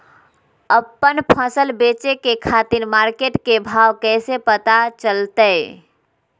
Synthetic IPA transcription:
əpːənpʰəsəlbet͡ʃekekʰat̪iɾmaɾkeʈkebʱawkɛɪsepət̪at͡ʃəlt̪ə

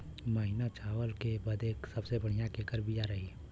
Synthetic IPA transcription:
məɦinat͡ʃaːwəlkebɐd̪eːksɐbsebɐɽ̤ijãkeːkəɾbʱijaɾɐɦiː

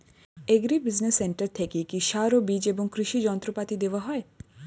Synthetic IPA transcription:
eɡɾibɪznesːeɳʈəɾt̪ʰekikiʃaːɾobid͡ʒebũŋkɾɪʃid͡ʒɔ̃ːnt̪ɾupat̪id̪eʋaɦɔe

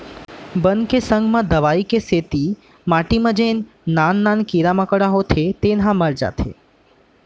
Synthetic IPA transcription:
bənkesəŋɡmãd̪əʋaikeset̪i | maʈiməd͡ʒenː | anːankiɾamãkəɽaɦot̪ʰet̪enɦãməɾd͡ʒa̰t̪ʰḛ

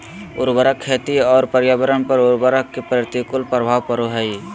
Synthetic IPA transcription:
ʊ̰ɾbəɾəkʰːeːt̪iɔːɾpəɾjabəɾənpəɾʊɾbəɾəkːepɾɾɪt̪ikʊlpɾəbʱaːʋkəɾoɦɛi

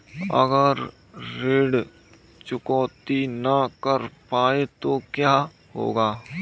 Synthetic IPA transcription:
ə̰ɡəɾː | eːɽ | t͡ʃʊkɔːt̪inəkəɾpaːet̪okjaː | ɦo̰ːɡaː

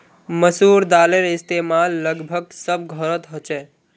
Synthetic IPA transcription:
məsuɾd̪aleɾɪst̪emalːəɡbʱəɡ̚səb̚ɡʱəɾət̪ɦot͡ʃɛ

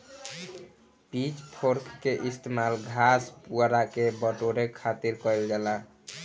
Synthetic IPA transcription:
pit͡ʃpʰoɾkːeʔist̪emalɡʱaspuɾakebəʈoɾekʰat̪iɾkɔɪld͡ʒɛla

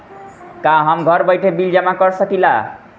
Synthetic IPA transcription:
kaɦʌmɡʱʌɾbʌjʈʰebild͡ʒʌmakʌɾsʌkila

